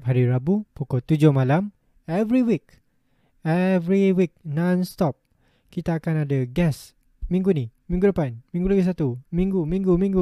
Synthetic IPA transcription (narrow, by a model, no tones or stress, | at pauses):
p̚ɦaɾiɾabupukɔlt̪ud͡ʒʊhmalam | ɛvɹiwik | ɛvɹiwik̚nãnst̪ɔp̚ | kit̪aːkanadaɡɛs | mĩŋɡunimĩŋɡulapanmĩŋɡuləɡus̬at̪umĩŋɡumĩŋɡumĩŋɡu